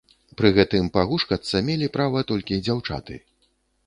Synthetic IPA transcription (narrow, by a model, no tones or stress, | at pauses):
pɾɨɣɛt̪ɨmpaɣuʂkɐt̪sɐmʲelʲipɾavɐt̪ɔlʲkʲid͡zʲawt͡ʂa̰t̪ɨ̰